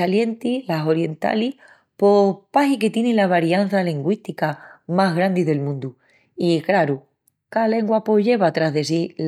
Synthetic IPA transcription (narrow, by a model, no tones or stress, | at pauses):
alje̞nt̪ilaso̞ɾje̞nt̪a̰lih | po̞paɦike̞t̪je̞nẽlaβaɾjan̟θaliŋɡwiht̪ikamaɦɣ̞ɾand̪iðe̞lmũnd̪u | ikɾaɾu | kale̞ŋɡwapoʎe̞βat̪ɾaɦðe̞si